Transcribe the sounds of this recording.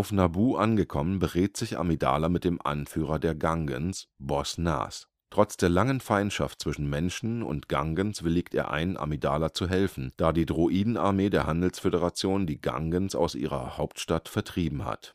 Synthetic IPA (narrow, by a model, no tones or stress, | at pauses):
ʔaʊfnabuːʔanɡəkʰɔmənbəʁeːtz̥ɪçʔa̰mida̰ːlamɪt̚d̥eːmʔa̰nfyːʁ̞ɐdeːɐɡaŋɡə̰nsbɔsna̰ːs | tʁ̥ɔt͡sd̥eːɐlaŋənfaɪntʃa̰ftt͡sv̥ɪʃn̩mɛnʃn̩ʊ̰ntɡ̥aŋɡənsv̥ɪliːk̚tḛːɐʔa̰ɪnənʔa̰midaːlat͡suɦɛlfn̩d̥aːdiːdʁoʔiːdn̩aɐmeːdeːɐɦandl̩sfedəʁat͡sjoːndiːɡa̰ŋɡənsa̰ʊsʔḭːʁɐ̰haʊptʃtatfɛɐtʁ̥iːbm̩ha̰t